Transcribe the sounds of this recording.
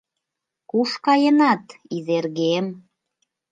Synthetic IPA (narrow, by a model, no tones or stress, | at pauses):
kuʃkɑjənɑt̪izerɣem